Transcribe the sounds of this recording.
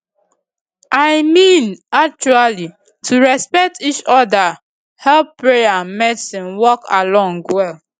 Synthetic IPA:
ʔajmĩnak̚t͡ʃuali | tʰuɹɛspɛk̚tit͡ʃɔda | hɛlpːɹejamɛtsĩnwɔkalɔ̃ŋɡwɛl

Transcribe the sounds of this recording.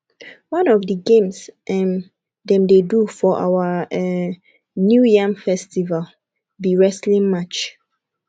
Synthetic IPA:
wãnɔfdəɡẽmsʔɛ̃m | dɛ̃mdedufɔʔa̰waɛ | njujãmfɛstival | biɹɛslĩŋmat͡ʃ

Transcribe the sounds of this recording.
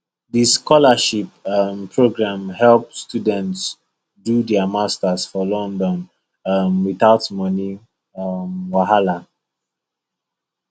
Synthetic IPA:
ðiskʰɔləʃipmpʰɹoɡɹãmhɛlp̚studɛ̃nts | dudɛamastəsfɔlɔ̃ndɔ̃n | ʌmwiθaʊtmʌni | mwaɦala

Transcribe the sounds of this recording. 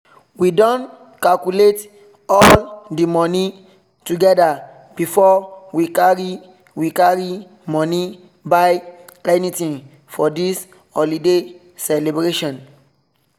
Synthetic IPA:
widɔ̃n | kalkulet | ɔldimɔni | tuɡɛda | b̥ifɔwikaɹi | wikaɹi | mɔ̃ni | baɪɛnitĩŋ | fɔdis | ɔlide | sɛlebɹeʃɔ̃n

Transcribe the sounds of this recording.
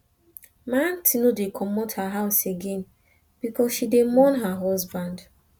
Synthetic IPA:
mãntʰinodekʰɔmɔthaɦaʊseɡẽn | b̥ikɔsʃidemɔnɦaɦɔsbãnd

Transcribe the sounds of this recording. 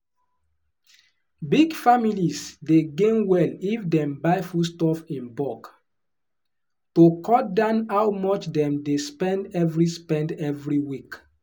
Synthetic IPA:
biɡfamilisdeɡẽnwɛlifdɛ̃mbaɪfustɔfĩnbɔk | tokʰɔdãnawmɔt͡ʃdɛ̃mdespɛ̃ndɛvɹispɛ̃ndɛvɹiwik

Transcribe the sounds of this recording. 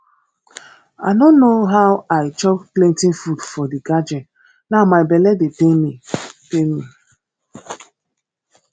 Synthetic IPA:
a̰ɪnonːoɦaʊwaɪt͡ʃɔk̚plẽntĩnfudfɔdiɡad͡ʒɛn | namaɪbeledetemitemi

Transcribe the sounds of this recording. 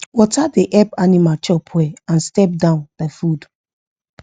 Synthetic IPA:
wɔtadeʔɛpanimat͡ʃɔpʰwɛãnstɛp̚dãʊ̃ndafud

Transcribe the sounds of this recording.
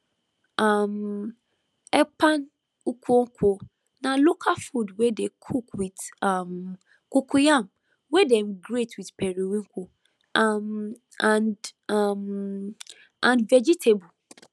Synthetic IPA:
am | ɛpʰãn | ukʰuoŋ̩kʰʷo | nãlokʰafudwedekʰukwitam | kukʰujãm | wedɛ̃mɡɾetwitpʰɛɾiwĩŋkʰʷu | am | ãnam | ãnvɛd͡ʒitʰebu

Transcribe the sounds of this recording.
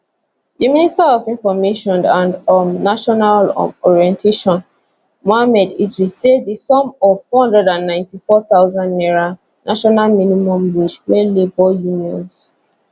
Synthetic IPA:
diministaɔvĩnfɔmeʃɔ̃nãndɔmnaʃɔnalɔ̰ɔɹiɛ̃ntʰeʃɔ̃n | mɔamɛdidɹisedisɔ̃mɔvːɔhɔ̃ndɹɛdãnːãɪ̃ntifɔt̪aʊzãndnɛɹa | nʔaʃɔnalminimɔ̃mɹid͡ʒwɛlebɔjuniɔ̰̃ns

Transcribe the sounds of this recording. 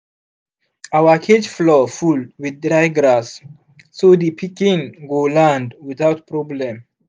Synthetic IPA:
awəkʰed͡ʒflɔfulwiddɾaɪɡɾasː | odipʰikĩnɡolãndwiθawtpɹɔblɛ̃m

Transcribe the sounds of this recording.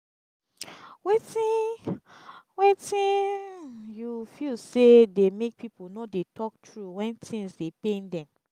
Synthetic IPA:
wetĩ | wetĩ | jufilsedemek̚piponodetʰɔk̚tʰɹuwɛ̃ntʰĩŋsdepẽndɛ̃m

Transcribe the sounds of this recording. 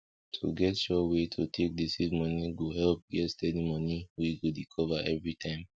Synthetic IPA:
tʰo̰ɡɛtʃɔwetʰutʰek̚disizmɔniɡohɛlp̚ɡɛtstɛdimɔniwiɡodikʰɔvaʔɛvɹitʰãɪ̃m

